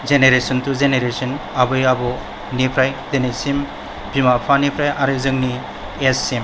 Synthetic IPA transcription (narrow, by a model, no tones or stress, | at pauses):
zeneɾesɔntuzeneɾesɔnabɯjabɔ | nipʰɾajdenesim | bimapʰanipʰɾajʔaɾɯzɯŋni | esem